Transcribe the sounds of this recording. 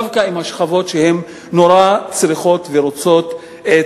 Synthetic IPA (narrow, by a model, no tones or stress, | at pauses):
vkaimaʃχavo̞tʃehe̞m | no̞ɾat͡sɾiχo̞t̪veɾot͡so̞t̪ | e